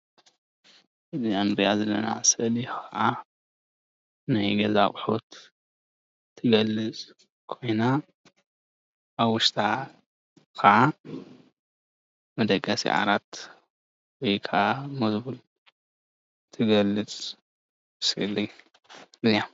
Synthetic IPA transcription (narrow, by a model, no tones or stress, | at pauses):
ziʕɨmɾijazɐlːɐna̰sɨʔlikʰɐʕa | najɡɐza̰χʼħot̪ | t̪ʰɨɡɐlːɨt͡sʼ | kʰo̞jna | βwʊʃt̪ʰa | kʰɐʕa | mɐd̪ɐkʼːɐsḭʕa̰ɾat̪ | wɔjkʰaʔamɐsbul | t̪ʰɨɡɐlɨt͡sʼ | ɨsɨlːi | ɨza